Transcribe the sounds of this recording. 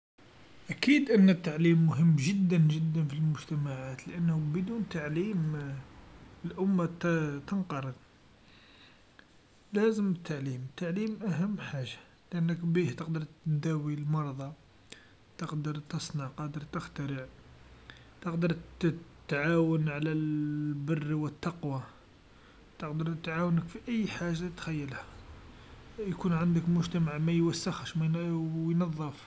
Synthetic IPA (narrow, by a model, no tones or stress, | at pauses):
ʔækid̪ʔənːət̪ːaʕlimːʊɦəmːʒəd̪ːənʒəd̪ːənfilmʊʒt̪æmaʕat̪ləʔənːhubəd̪unt̪aʕlim | əlʔʊmːat̪t̪ənqɑɾˤəd̪ | læzəmət̪ːaʕlimət̪ːaʕlimʔæɦəmːħaʒḁ | ləʔənːəkbiht̪əqd̪əɾˤt̪d̪æwilmɑɾˤd̪ˤɑ | t̪əqd̪əɾˤt̪əsˤnɑʕqɑd̪əɾˤt̪əxt̪əɾəʕ | t̪əqd̪əɾt̪ːʕawənʕlælbərːwət̪ːɑqwa | t̪əqd̪əɾˤt̪ʕawnəkfiʔəjːħaʒːat̪xæjːəlhæ | jkunʕand̪əkmʊʒt̪æmaʕmæjwæsːəxhæʃmæjjnɑðˤːəf